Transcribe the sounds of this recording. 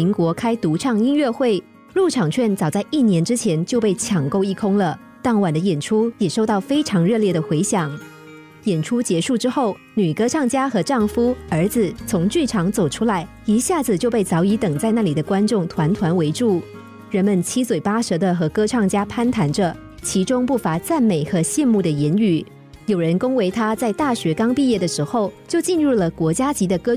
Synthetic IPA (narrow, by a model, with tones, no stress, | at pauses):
i˧˥ŋkwɔ˧˥kʰa˥ɪt̪u˧˥ʈ͡ʂʰɑ˥˩ŋi˥nɥɛ˥˧xwe˥˩ɪ | lu˥˩ʈ͡ʂʰɑ˨˩ŋt͡ɕʰɥɛ˥˩nt͡sɑ˨˩ʊt͡sa˥˧ɪʔi˥˩njɛ˧˥nʈ͡ʂɻ̩˥t͡ɕʰjɛ˧˥nt͡ɕjo˥˧ʊpe˥˩ɪt͡ɕʰjɑ˨˩ŋko˥˧ʊi˥˩kʰʊ˥ŋlə˨ | t̪ɑ˥˩ŋwa˨˩nd̪ə˦jɛ˨˩nʈ͡ʂʰu˥jɛ˨˩ʂo˥˧ʊt̪ɑ˥˩ʊfe˥ɪʈ͡ʂʰɑ˧˥ŋɻɤ˥˧ljɛ˥˩d̪ə˩xwe˧˥ɪɕjɑ˨˩˦ŋ | jɛ˨˩nʈ͡ʂʰu˥t͡ɕjɛ˧˥ʂu˥˩ʈ͡ʂɻ̩˥xo˥˩ʊ | ny˨˩kɤ˥ʈ͡ʂʰɑ˥˩ŋt͡ɕja˥xɤ˧˥ʈ͡ʂɑ˥˩ŋfu˥ə˞˧˥d͡zɹ̩˧t͡sʰʊ˧˥ŋt͡ɕy˥˩ʈ͡ʂʰɑ˧˥ŋt͡so˨˩ʊʈ͡ʂʰu˥la˧˥ɪ | i˧˥ɕja˥˩d͡zɹ̩˩t͡ɕjo˥˧ʊp̬e˥˩ɪt͡sɑ˧˥ʊi˧˥t̪ɤ˨˩ŋt͡sa˥˧ɪna˥˩li˨˩d̪ə˦kwa˥nʈ͡ʂʊ˥˩ŋt̪ʰwa˧˥nt̪ʰwa˧˥nwe˧˥ɪʈ͡ʂu˥˩ | ɻə˧˥nmə˨nt͡ɕʰi˥swe˨˩ɪpa˥ʂɤ˧˥d̪ə˧xɤ˧˥kɤ˥ʈ͡ʂʰɑ˥˩ŋt͡ɕja˥pʰa˥nt̪ʰa˧˥nʈ͡ʂə˧ | t͡ɕʰi˧˥ʈ͡ʂʊ˥ŋpu˥˩fa˧˥t͡sa˥˩nme˨˩ɪxɤ˧˥ɕjɛ˥˧nmu˥˩d̪ə˩jɛ˧˥ny˨˩˦ | jo˨˩ʊɻə˧˥nkʊ˥ŋwe˧˥ɪt̪ʰa˥t͡sa˥˧ɪt̪a˥˩ɕɥɛ˧˥kɑ˥ŋpi˥˧jɛ˥˩d̪ə˩ʂɻ̩˧˥xo˥˧˩ʊt͡ɕjo˥˧ʊt͡ɕi˥˧nɻu˥˩lə˩kwɔ˧˥t͡ɕja˥t͡ɕi˧˥d̪ə˨kɤ˥